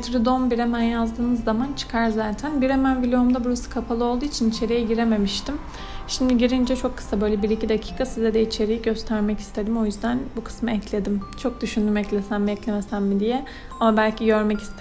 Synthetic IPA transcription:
t̪ɾid̪onbiɾemænjazd̪ɯːnɯzːamant͡ʃʰɯ̥kʰaɾzaːt̪ʰænbiɾemænvilʲeomd̪abuɾasɯ̥kʰapʰalˠɯo̞lˠd̪uːit͡ʃʰinit͡ʃʰe̞ɾijɛɟiɾe̞me̞miʃt̪im | ʃimd̪iɟiɾind͡ʒɛt͡ʃʰo̞kʰːɯ̥sabø̞jlʲɛbiɾicʰid̪acʰi̥ːkʰasizɛd̪ɛit͡ʃʰe̞ɾijiɟø̞st̪ʰæɾmɛci̥st̪ʰe̞d̪imo̞jyzd̪ænbukʰɯ̥smaɛclʲe̞d̪imt͡ʃʰo̞k̚d̪yʃynd̪ymɛclʲesænmiɛclʲemesænmid̪ijɛ | amabælʲcʰiɟø̞ɾmɛci̥st̪ʰ

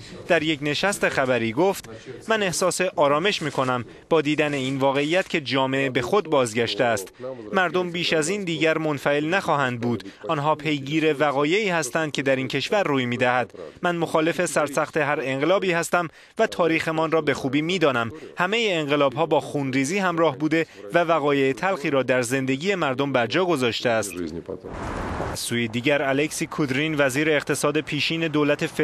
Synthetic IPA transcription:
d̪̥æɾje̞cne̞ʃæst̪e̞xæbæɾiːɡoːft̪mæne̞hsɒːse̞ʔɒːɾɒːme̞ʃmiːkʰo̞næm | b̥ɒːd̪iːd̪æne̞iːnvɒːɣe̞ijæt̪cʰe̞d͡ʒɒːmeʔebe̞xo̞d̪̚bɒːzɟæʃt̪eæst̪mæɾd̪o̞mbiːʃæziːnd̪iːɟæɾmo̞nfæe̞lnæxɒːɦænd̪̚buːd̪ɒnɦɒːpʰe̞jɡiːɾe̞væɣɒːje̞iːhæst̪ænd̪̚cʰʲe̞d̪æɾiːncʰe̞ʃvæɾːuːjmiːd̪æhæd̪mænmo̞xɒːle̞fe̞sæɾsæxt̪e̞ɦæɾe̞ŋɢe̞lɒːbiːhæst̪æm | væt̪ʰɒːɾiːxemɒnrɒːbe̞xuːbiːmiːd̪ɒːnæmhæme̞jeːŋɢe̞lɒːbɦɒːbɒːxuːnɾiːziːhæmɾɒːhbuːd̪e̞vævæɣɒːje̞ːt̪ʰælxiːɾɒːd̪æɾze̞nd̪e̞ɟiːje̞mæɾd̪ombæɾd͡ʒɒːɡo̞zɒːʃt̪eæst̪ | ʔæz̥sːuːjed̪iːɟæɾæleksiːkʰud̪ɾinvæziːɾe̞ːqt̪ʰe̞sɒːd̪e̞pʰiːʃiːne̞d̪oːlæt̪ʰe̞f

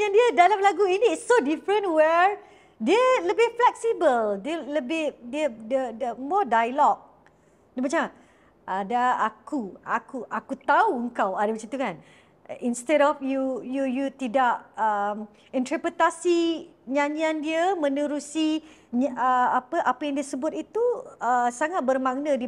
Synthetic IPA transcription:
andiədalamlaɡuiniːsːodifɾə̃nʔwɛɹ | diələbɪhflɛksibəldiələbɪhdiədədəmɔdajlɔk̚ | dəmat͡ʃam | ʔadaakua̰kuʔakut̪auəŋkawadabət͡ʃit̪ukan | inst̪ɛdɔfjujujut̪idaʔəm | int̪ɾəpɾət̪asi | ɲaɲiandiəmə̃nuɾusiɲəapəʔapəjaŋdiəsəbʊt̪̚it̪uəsaŋat̪̚bərmaŋnədi

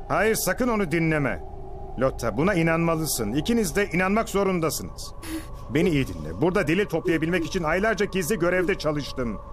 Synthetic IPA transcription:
haːjiɾsakɯno̞nud̪inlʲemɛ̰ | lʲot̪ʰːabunainanmalˠɯsɯnicʰinizd̪ɛʔinanmakzo̞ɾund̪asɯnɯz̥ | be̞niːjid̪ḭnlʲɛ̰buɾd̪ad̪e̞lʲilʲt̪ʰo̞plˠajabilʲmɛci̥t͡ʃʰinajlˠaɾd͡ʒaɟizlʲiɟø̞ɾɛvd̪ɛt͡ʃʰalˠɯʃt̪ɯm

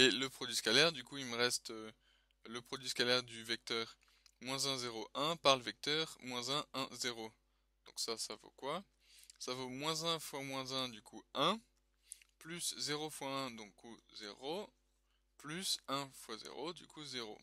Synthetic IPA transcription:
eləpχɔd̪ɥiskalɛʁd̪ykuilməʁɛst̪ø | ləpχɔd̪ɥiskalɛʁd̪yvɛk̚t̪œːʁ | mwɛ̃zɛ̃zeʁoʔɛ̃paʁləvɛk̚t̪œːʁmwɛ̃zɛ̃ʔɛ̃zeʁo | d̪̥ɔ̃ksasavo̰kwa | savomwɛ̃zɛ̃fwamwɛ̃zɛ̃d̪ykʰuɛ̃ | plyszeʁofwaɛ̃d̪ɔ̃kːuzḛʁo | plysɛ̃fwazḛʁod̪y̰kuzeʁo̰

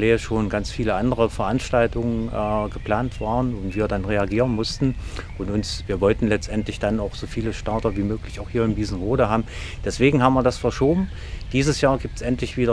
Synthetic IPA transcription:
leːʃoːnɡant͡sfiːləʔandəʁ̞əfɛɐʔanʃtaltʊŋənʔɛɡəpl̥aːntv̥aːʁənʊntv̥iːɐdanʁeaɡiːʁənmʊstn̩ʔʊntʊnsviːɐvɔltn̩lɛt͡stʔɛntlɪçd̥anaʊxz̥oːfiːləʃtaɐtɐviːmøːklɪçaʊxhiːɐɪmdiːzn̩ʁoːdəhaːbm̩d̥ɛsv̥eːɡŋ̩ɦaːbm̩viːɐdasfɛɐʃoːbm̩ | d̥iːzəsjaːɐɡiːp̚tsʔɛntlɪçv̥iːdɐ

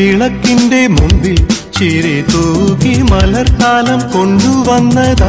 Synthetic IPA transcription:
iɭɐkːinɖemumbit͡ɕeɾet̪oːɣimɐlɐrkaːlɐmkoɳɖuʋɐnːɐðɐ

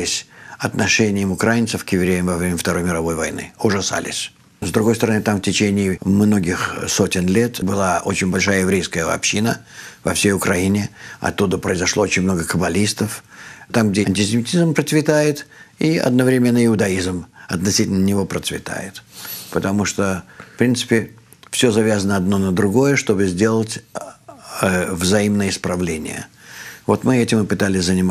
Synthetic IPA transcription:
ɪsʲɐt̪nɐʂɛnʲɪjɪmʊkɾajɪnt̪səfkjɪvɾʲejəmvɐvɾʲemʲəft̪ɐɾo̞jmʲɪɾɐvo̞jvɐ̰jnɨ̰ʊʐɐsa̰lʲɪ̰sʲ | zd̪ɾʊɡo̞jst̪əɾɐnɨt̪amftʲɪt͡ɕenʲɪːmno̞ɡʲɪxso̞tʲɪnlʲe̞t̪bɨlˠaʔo̞̰t͡ɕɪnʲbɐlʲʂajəjɪvɾʲejskəjəɐ̰pɕːinəvɐfsʲejʊkɾɐinʲɪɐ̰t̪ːud̪əpɾəɪzɐʂlˠo̞ot͡ɕɪnʲmno̞ɡəkəbɐlʲist̪əft̪amɡ̚dʲeɐnʲtʲɪsʲɪmʲɪtʲizmpɾət̪svʲɪt̪ajɪt̪iɐ̰d̪̚nəvɾʲɪmʲenːəɪʊd̪ɐizmɐt̪nɐsʲitʲɪlnənʲɪvo̞pɾət̪svʲɪ̰t̪a̰jɪt̪pət̪ɐmuʂt̪ofpɾʲint̪sɨ̥pʲɪ | fsʲozɐvʲazənəɐd̪no̞nəd̪ɾʊɡo̞jəʂt̪o̞bɨzʲdʲe̞lˠətʲ | vzɐimnəjəɪspɾɐvlʲenʲɪ̰jə̰vo̞t̪mɨɛtʲɪmɨpɨt̪alʲɪsʲzənʲɪm

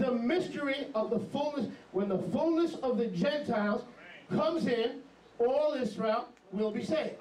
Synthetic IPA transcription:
ðəmɪstə˞iʌvðəfʊlˠnɨswə̃nðəfʊlˠnɨsʌvðɨd͡ʒɛ̃ntʰaɪlˠz̥kʰʌ̃mzɪ̃n | ɔlˠɪzɹeɪlˠ | wɪlˠbiseɪd

